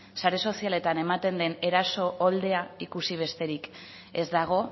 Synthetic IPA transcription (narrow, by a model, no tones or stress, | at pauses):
saɾe̞so̞siale̞t̪ane̞mat̪e̞nd̪e̞ne̞ɾaso̞ʔːld̪e̞aikusiβ̞e̞st̪e̞ɾik | e̞zd̪aɣ̞o̞